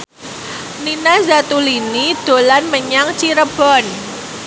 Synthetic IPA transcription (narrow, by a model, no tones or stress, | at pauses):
ninazat̪ulinid̪̥o̤lanməɲaŋt͡ʃiɾəb̥ɔn